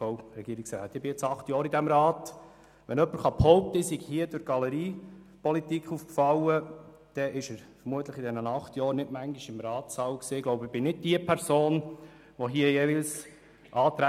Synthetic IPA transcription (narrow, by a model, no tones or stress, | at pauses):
owɾɛɡ̥iəɾɪksɾa̰ːt̪ːɪbɪɪt͡sɑχtjɑːɾidæmɾɑːt | ʋɛnœpːəɾχɑphɔʊp̚t̪əɪsiɡhiəd̥ʊɾɡ̥ɑləɾiːpɔlit̪ikχuːfkfɑwə | d̥ɛʔɪʃəɾfəɾmuət̪ləχidɛnənɑχt̪jɑːɾnɪdmæŋɡiʃɪmɾɑːtsɑwksiːɡloʊbɪb̥ɪnɪd̚d̥iəpʰɛɾsoːn | ʋɔɦiəjeʋɪls | ʔɑːt̪ɾæ